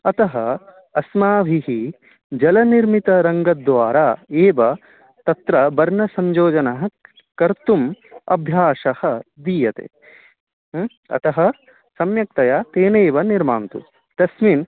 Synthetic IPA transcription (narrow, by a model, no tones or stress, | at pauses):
ɐt̪ɐɦɐ | ɐsmaːʋʱiɦi | d͡ʒɐlɐniɾmit̪ɐɾɐŋɡɐd̪ʋaːɾaːeːʋɐ | t̪ɐt̪ɾɐbɐɾnɐsɐɲd͡ʒoːd͡ʒɐnɐɦɐ | kɐɾt̪umɐ̰bʱjaːʃɐhɐd̪ijɐt̪ḛː | ɐ̰t̪ɐɦɐ | sɐmjɐk̚t̪ɐjaːt̪eːneːʋɐniɾmaːnt̪ṵ | t̪ɐsmin